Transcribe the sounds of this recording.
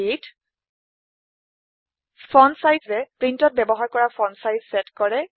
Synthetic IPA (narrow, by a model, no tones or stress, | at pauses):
it | pʰɔnsajdzɛpɹintɔt̚bɛbɔɦaɹkɔɹapʰɔnsajzsɛtkɔɹɛ